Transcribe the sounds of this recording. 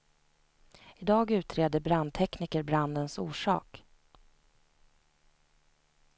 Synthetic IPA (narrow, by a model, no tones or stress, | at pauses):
ɪd̪ɑːɡʉ̟ːt̪ʰɾeːd̪əɾbɾand̪̚t̪ʰɛkniːkəɾbɾand̪ənsuːʂɑ̰ːk